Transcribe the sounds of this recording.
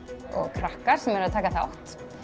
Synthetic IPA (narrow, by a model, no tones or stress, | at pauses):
ɔ̰ɣkʰɾahkaɾ̥sɛmɛɾaðt̪ʰaːkaθa̰wht̪